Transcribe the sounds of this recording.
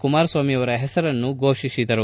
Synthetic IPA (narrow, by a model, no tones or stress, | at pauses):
kumaːɾsʋaːmijɐʋɐɾɐɦɛsɐɾɐnːuɡoːʂisid̪ɐɾu